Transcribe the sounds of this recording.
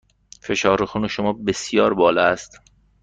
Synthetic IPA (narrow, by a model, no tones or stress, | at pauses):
fe̞ʃɒːɾoxuːneʃomɒːbesjɒːɾbɒːlɑæst̪